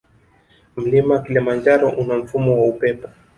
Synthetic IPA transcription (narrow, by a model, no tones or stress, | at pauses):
m̩limawakilimand͡ʒaɾɔʔunam̩fumɔwaupɛpɔ